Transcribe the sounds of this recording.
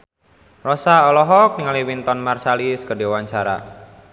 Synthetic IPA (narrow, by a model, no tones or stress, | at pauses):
rɔsaɔlɔɦɔk̚niŋaliwint̪ɔnmarsaliskədewaɲt͡ʃaɾa̰